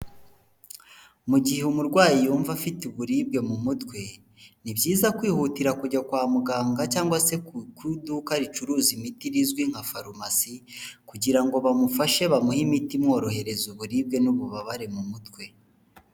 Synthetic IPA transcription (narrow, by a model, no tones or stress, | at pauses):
muɟiheumuɾɡwaːjijuːɱvafituβuɾib̚ɡe̞mumutkwe̞ | nibjiːzakwiːhutiɾakuɟakwaːmuɡaːŋɡacaːŋɡwase̞kwudukaɾit͡ʃuɾuːzimitiɾizɡwiŋ̥hafaɾumasikuɟiɾaŋɡo̞βamufaʃe̞βamuhimitimŋo̞ːɾo̞he̞ɾe̞zuβuɾib̚ɡe̞nuβuβaβaɾe̞mumutwe̞